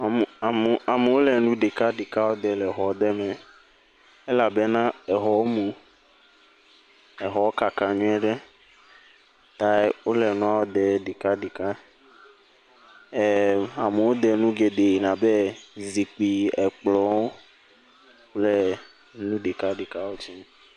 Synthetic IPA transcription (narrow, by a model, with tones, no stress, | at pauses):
m˨m˨a˨me˨wo˦lɛ˨nũ˦ɖe˨ka˦ɖi˨ka˦wo˦d̪ɛ˨lɛ˨ɦɔ˨˦d̪ɛ˦mɛ̃˨ | e˦la˨be˦nã˦ɛ˨ɦɔ˨˦mũ˨ | ɛ˨ɦɔ˨o˦ka˨kã˨ɲũ˦ɛ˦ɖɛ˦ | t̪a˦wo˦lɛ˨nũ˦a˦wo˦d̪ɛ˨ɖi˨ka˦ɖi˨ka˦˨ | a˨me˨wo˦d̪ɛ˨nũ˦ɡe˨d̪e˨nã˨be˦zi˨k͡pi˨ɛ˨k͡plɔ˨˦wo˦ | k͡ple˦ | nũ˦ɖe˨ka˦ɖi˨ka˦wo˦t͡ʃi˦m